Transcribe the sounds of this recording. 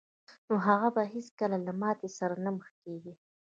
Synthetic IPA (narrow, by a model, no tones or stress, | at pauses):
noɦaɣabaɦeskəlalamɑt̪esaɾanaməxkeɡi